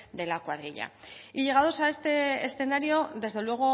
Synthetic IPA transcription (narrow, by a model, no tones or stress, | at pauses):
d̪e̞lakwaðɾiʎa̰iʎe̞ɣ̞aðo̞sae̞st̪e̞esθe̞naɾjo̞ðe̞zðe̞lwe̞ɣ̞o̞